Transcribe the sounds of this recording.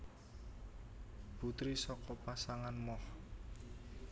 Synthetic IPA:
b̥ṳt̪ɾisɔkɔpasaŋanmɔh

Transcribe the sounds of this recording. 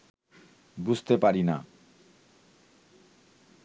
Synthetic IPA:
bud͡ʑʱt̪epaɾina̰

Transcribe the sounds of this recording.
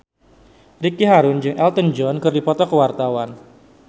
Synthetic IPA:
rikiɦaɾʊnd͡ʒɨŋʔɛlt̪ənd͡ʒɔnkɨrdipɔt̪ɔkəwart̪awan

